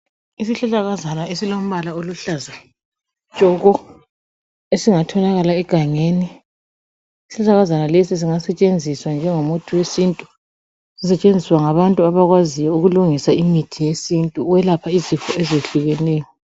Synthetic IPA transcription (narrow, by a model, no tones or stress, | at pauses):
isiɬɛɬaɣazanaesilom̩βalaoluɬaza | t͡ʃʼɔɣɔ | esiŋatʰɔnaɣalaɛɡ̥ʱaŋeni | si̥ɬɛɬaɣazanalesis̬iŋasɛt͡ʃʼend͡zʱiswand͡ʒʱɛŋomutʰuwesintʼu | sisɛt͡ʃʼend͡zʱiswaŋaβantʼuaβaɣwazijɔuɣuluŋisaimitʰijesintʼuwɛlapʰaizifɔɛzeɬuɣɛnɛːjɔ